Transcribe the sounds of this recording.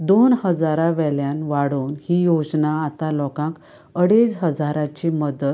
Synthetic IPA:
d̪onhəd͡zaɾaʋɛljanʋaɽoːnhiːjod͡znaːt̪alɔkãk | əɽet͡sɦəd͡zaɾat͡ɕiməd̪ət̪

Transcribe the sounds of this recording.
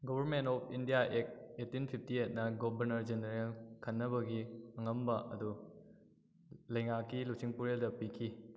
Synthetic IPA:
ɡobʱɐɾmentɔpʰindijaʔek̚etːinpʰip̚ʰtiet̚nɐɡobʱɐɾnɐɾd͡ʒendɾkʰɐnːɐbɐɡiɐŋɐmbɐʔɐ̰du | lɐjŋakːilusiŋpuɾeldɐpikʰi

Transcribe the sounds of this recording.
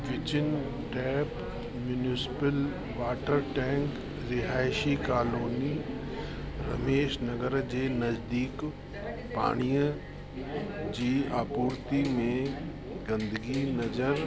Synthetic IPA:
ʋɪt͡ɕɪn | ʈɛːp | mjunisɪ̥pəl | ʋaːʈəɾʈɛ̃ːŋk | ɾɪɦaːɪʃikaːloːni | ɾɐmeːʃnɐɡəɾd͡ʑeːnɐzd̪iːk | pa̰ːɽ̃ijə̃ | d͡ʑiːaːpuːɾt̪imẽ | ɡɐ̃nd̪əɡinɐzəɾ

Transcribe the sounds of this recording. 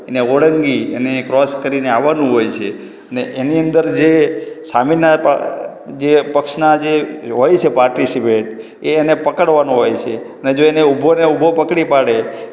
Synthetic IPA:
eneoɽəŋɡienekɾɔskəɾineaʋːanũɦojt͡ʃʰe | əneʔeniənd̪əɾd͡ʒesamina̰ | d͡ʒepəkʃnad͡ʒeɦojt͡ʃʰepaɾʈisipeʈ | eːnepəkəɽʋanũɦojt͡ʃʰe | əned͡ʒoeneubʱoneubʱopəkɽipaɽe

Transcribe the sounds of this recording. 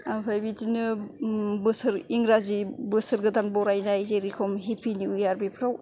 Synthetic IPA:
bajbitinɯ | bɯsɯɾiŋɾazibɯsɯɾɡɯdanbɔɾajnajzeɾikʰɔmɦepʰiniujaɾbipʰɾaw

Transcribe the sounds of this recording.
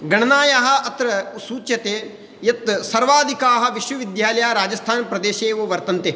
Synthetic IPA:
ɡɐɳɐnaːjaɦɐ̆ɐt̪ɾɐsuːt͡ʃjɐt̪eː | jɐt̪sɐɾʋaːd̪ʱikaːɦɐ̆ʋiʃʋɐʋid̪jaːlɐjaːɾaːd͡ʒɐst̪ʰaːnpɾɐd̪eːʃeːʋoːʋɐɾt̪ɐnt̪eː

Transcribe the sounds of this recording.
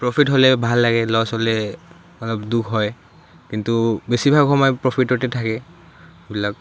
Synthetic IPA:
pɹopʰitɦolɛbʱalːaɡɛlɔsɦolɛ | ɔlɔbdukʰɦɔj | kintubesibʱaɔmajpɹopʰitɔtɛtʰakɛ | ebilak̚

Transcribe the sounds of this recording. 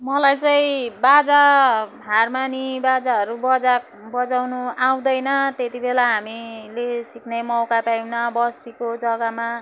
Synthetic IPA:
mʌlajt͡sʌĩbad͡zaɦarmanibad͡zaɦʌɾubʌd͡zak̚ | bʌd͡zawnuaw̃d̪ʌjnʌt̪et̪ibʱelaɦamilesiknajmʌwkapajnʌbʌst̪ikod͡zʌɡʌma

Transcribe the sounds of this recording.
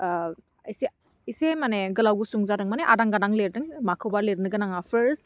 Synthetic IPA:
ise | isemaneɡɯlawɡusuŋzadɯŋmaneʔadaŋɡanaŋleɾdɯŋmakʰɯwbaɾleɾnɯɡɯnaŋapʰəɾs

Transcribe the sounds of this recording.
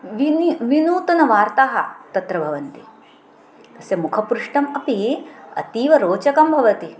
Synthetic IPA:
ʋinʋinuːt̪ɐnɐʋaːɾt̪aːɦɐ̰t̪ɐt̪ɾɐbʱɐʋɐnt̪i | t̪ɐsjɐmukʰɐpɾuʂʈɐmɐpiɐ̰t̪iːʋɐɾoːt͡ʃɐkɐmbʱɐʋɐt̪i

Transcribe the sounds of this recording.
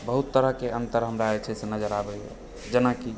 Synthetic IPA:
bəɦut̪ːəɾəɦkeʔənt̪əɾɦəmɾaet͡ʃʰɛsenəd͡ʒəɾabɛ̰ | d͡ʒenaki

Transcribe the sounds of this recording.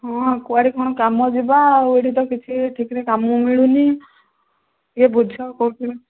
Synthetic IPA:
ɦɔ̃kuaɾikʰɔɽ̃ɔkamɔd͡ʒibaweɽit̪ɔkit͡ʃʰiʈʰikɾekamɔ̃miɭuni | ebʱud͡ʒʱakɔɾut̪ʰilɔ

